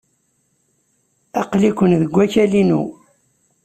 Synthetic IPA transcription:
ɑqlikʷːənðəɡʷːæçælinṵ

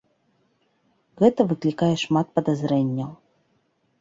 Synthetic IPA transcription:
ɣɛt̪ɐvɨklʲikajɛʂmat̪̚pɐd̪azɾɛnʲːɐw

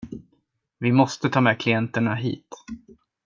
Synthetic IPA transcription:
vɪmɔst̪ət̪ʰɑːmɛːkʰlɪɛnt̪əɳaɦḭːt̪

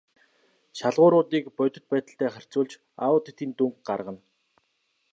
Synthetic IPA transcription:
ʃaɮʁʊːɾʊːt̪iːkpœt̪ɵ̆t̪̚pæːt̪ə̆ɬt̪æːχær̥t͡sʊːɮt͡ɕ | a̰ʊːt̪ʰĕt̪iːnt̪uŋkɢa̰rʁə̆n

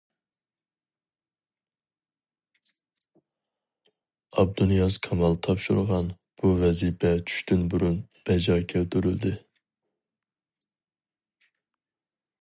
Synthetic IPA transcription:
ɑb̚d̪unjɑzkʰɑmɑlˠt̪ʰɑpʃṵɾʁɑn | b̥uvɛzipʰɛt͡ʃʰy̥ʃt̪ʰynbuɾunb̥ɛd͡ʒɑːkʲʰɛlt̪ʰyɾyld̪ɪ

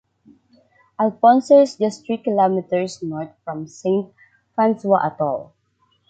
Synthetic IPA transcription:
alpɔ̃nsəɹsd͡ʒast̪ɹikilɔmit̪əɹsnɔɹt̪̚fɹɔ̃msẽnt̚ | fãnsaʔat̪ɔ̰l

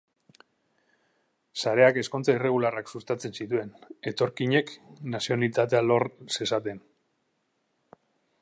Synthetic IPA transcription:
saɾe̞ake̞sko̞nt͡saire̞ɣ̞ularaksust̪at͡se̞nsit̪ue̞ne̞t̪o̞ɾkiɲe̞knasio̞nit̪at̪e̞alo̞ɾse̞sat̪e̞n

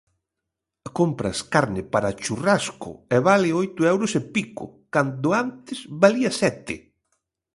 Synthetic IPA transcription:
kompɾɐ̰skaɾnɪpaɾat͡ʃuraskʊ̰ɛβalɪojt̪ʊɛwɾʊsepikʊ̰kand̪ʊant̪ɪzβaliɐsɛt̪ɪ̰

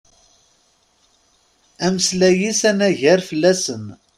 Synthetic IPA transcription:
æməslæjisænæʝæɾfəlːæsən

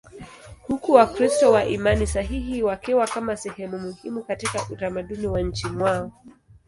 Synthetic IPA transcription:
hukuwakɾistɔwaʔimanisaɦihiwakɛwakamasɛhɛmumuhimukatikaʔutamaɗuniwaɲ̩t͡ʃimwaɔ

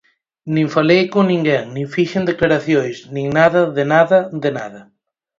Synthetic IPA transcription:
nĩŋfalejkoŋnĩŋɡeŋnĩŋfiʃend̪eklaɾaθjojsnĩŋnaðɐðenaðɐd̪ena̰ðɐ

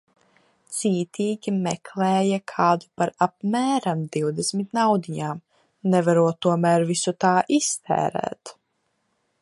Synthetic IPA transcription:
t̪siːt̪ʰiːɡʲimɛkʰlˠɛːjakʰaːd̪upaɾap̚mæːɾamd̪iwd̪ɛsmit̪nawd̪iɲaːm | nɛvaɾuɔt̪ːuɔmæːɾvisut̪aːʔist̪ʰɛ̰ːɾɛ̰ːt̪

